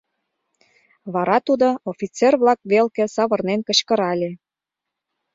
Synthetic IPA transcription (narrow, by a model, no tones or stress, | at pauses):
βɑɾɑt̪ud̪oofʲit͡serβlɑk̚βelkĕsɑβɤ̆rnenkə̆t͡ɕkə̆ɾɑlʲe